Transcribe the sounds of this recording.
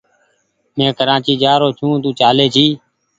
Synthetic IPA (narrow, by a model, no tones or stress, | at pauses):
mẽːkəɾãːt͡ʃiːd͡ʒaːɾoːt͡ʃʰũːt̪̬ũːt͡ʃaːleːt͡ʃʰiː